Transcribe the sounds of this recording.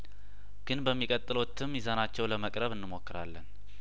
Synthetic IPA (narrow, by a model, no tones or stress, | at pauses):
ɡ̥ɨnbəmːikʼət̪ʼːɨlo̞t̪ʰːɨmjizanat͡ʃːɛwləməkʼɾəβɨnːɨmo̞kːɨɾa̰lːən